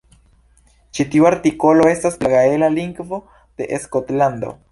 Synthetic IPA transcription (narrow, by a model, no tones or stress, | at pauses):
t͡ʃitiuaɾtiko̞lo̞e̞staslaɡae̞laliŋɡvo̞ | d̪̥e̞̰ʔeskot̪land̪o̞̰